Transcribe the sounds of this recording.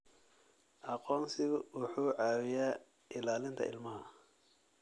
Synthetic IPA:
ʔɑqɔːnsɪɣʊwʊħuːʕɑːwɪjaː | ʔɪlaːlɪnt̪ʰɐ̰ʔɪ̰lmɐɦɐ

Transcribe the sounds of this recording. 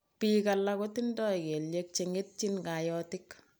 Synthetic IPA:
piːkalakotindɔekeljek̚t͡ʃeŋet̚t͡ʃinkajɔːtɪk

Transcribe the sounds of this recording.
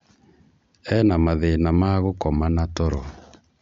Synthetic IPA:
ɛnamaðenamaɣokɔmanatɔɾɔ

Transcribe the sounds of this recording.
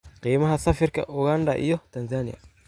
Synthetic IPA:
qiːmɐɦasɐfɪɾkɐ̰ʔʊɡand̪a̰ʔɪ̰jɔt̪ɐnzanɪja̰

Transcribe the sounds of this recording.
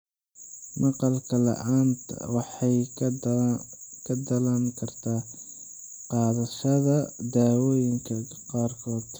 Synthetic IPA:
mɑqɑlkʰɐlɐ̰ʔaːnt̪ʰwɑħɑj | kʰɐd̪ɐlɐŋkʰɐrt̪ʰaː | qɑːðɐʃɐðɐd̪aːwɔːjɪŋkʰɐ | qɑːrkʰɔːd̪

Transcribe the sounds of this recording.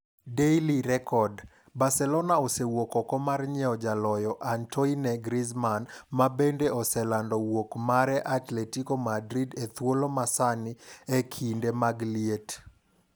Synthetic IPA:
deiliɾɛkɔd | basɛlɔnaosewokɔkɔmarɲɛɔd͡ʒalɔjɔʔantʰɔinɛɡɾizmanmabendeɔsɛlandɔwokmaɾɛʔatletikomadɾidet̪wolomasaniekʰindemaɡliet

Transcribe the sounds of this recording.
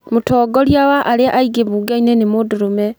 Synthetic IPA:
mutɔːɡɔɾjawaʔaleʔaiɡeβuɡainenemodoɾomɛ

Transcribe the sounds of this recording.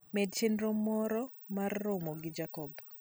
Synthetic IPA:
medt͡ʃenɾomːɔɾɔ | marːomoɡɪd͡ʒakɔb

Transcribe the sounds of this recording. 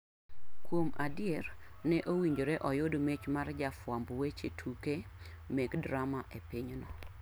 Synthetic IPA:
kwomadɪjɛrnɛʔowiɲd͡ʒoɾeʔɔjodomet͡ʃmard͡ʒafwambwet͡ʃetʰuke | meɡdɾamaʔepiɲnɔ̰

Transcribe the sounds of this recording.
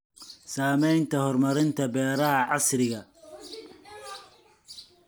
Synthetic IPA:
saːmɛjnt̪ʰɐhɔrmɐɾɪnt̪ʰɐbɛːɾɐɦɐʕɑsɾɪɣɐ

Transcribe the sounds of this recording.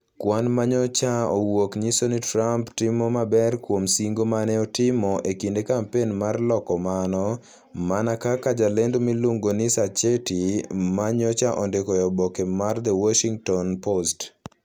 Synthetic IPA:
kwanmaɲɔt͡ʃaowokɲisonitɾamptɪmɔmabɛrkwomsiŋɡomanɛɔtɪmɔʔekindekampenmarlɔkɔmanɔ | manakakad͡ʒalendomiluŋɡonɪsat͡ʃetimaɲɔt͡ʃaʔɔndekɔjɔbɔkɛmard̪ɛwɔʃiŋtɔnpost

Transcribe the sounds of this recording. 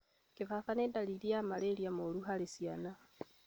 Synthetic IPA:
kifafanedaliliamaleljamoluɦalisjana

